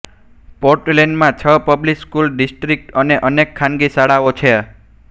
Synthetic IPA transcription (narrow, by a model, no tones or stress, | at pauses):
poɾʈleɳɖmãt͡ʃʰəpəblikskulɖisʈɾik̚ʈəneʔənekʰːanɡisaɽaot͡ʃʰe